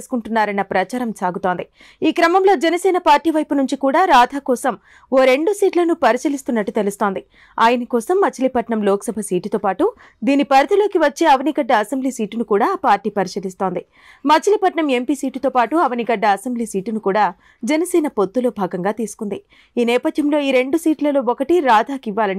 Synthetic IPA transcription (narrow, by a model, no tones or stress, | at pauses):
su̥kuɳʈunːaːɾɐnːɐpɾɐt͡ʃaːɾɐmsaːɡut̪o̞ːnd̪i | iːkɾɐmɐmlo̞ːd͡ʒɛnɐsɛːnɐpaːɾʈiːʋɐjpunuɲt͡ʃikuːɽaːɾaːd̪ʱaːkɔːsɐm | oːɾe̞ɳɖusiːʈlɐnupɐɾisɐlist̪unːɐʈːu̥t̪elust̪oːnd̪i | aːjɐnɐkɔːsɐmːɐt͡ʃʰɐlipɐʈɳɐmloːkɐ̥sɐbʱɐsiːʈit̪oːpaːʈu | d̪iːnipɐɾɐd̪ʱɐlo̞ːkiʋɐt͡ʃːe̞ːɐʋɐniɡɐɖːɐɐsembliːsiːʈinukuːɽaːpaːɾʈiːpɐɾisɐlist̪o̞ːnd̪i | mɐt͡ʃʰɐlipɐʈɳɐme̞mpiːsiːʈit̪o̞ːpaːʈuɐʋɐniɡɐɖːɐːsembliːsiːʈinukuːɽaː | d͡ʒɛnɐsɛːnɐpot̪ːulo̞ːbʱaːɡɐŋɡaːt̪iːsu̥kund̪i | iːnɛːpɐd̪ʱjɐmlo̞ːiːɾe̞ɳɖusiːʈlɐlo̞ːokɐʈiɾaːd̪ʱaːkiʋːaːlɐni